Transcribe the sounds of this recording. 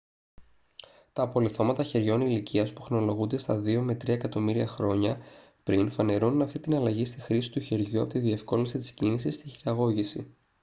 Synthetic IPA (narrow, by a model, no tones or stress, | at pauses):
t̪ɐpo̞liθo̞mɐt̪ɐçe̞ɾʝo̞nilicʰiɐspu̥xɾo̞lo̞ɣund̪e̞st̪ɐðio̞me̞t̪ɾiɐekɐt̪o̞miɾiɐxɾo̞ɲɐ | pɾinfɐne̞ɾununɐft̪it̪inɐlɐʝist̪ixɾisi̥t̪uçe̞ɾʝuɐ̰po̞t̪iðie̞fko̞lisit̪i̥scinisist̪içiɾɐɣo̞ʝisi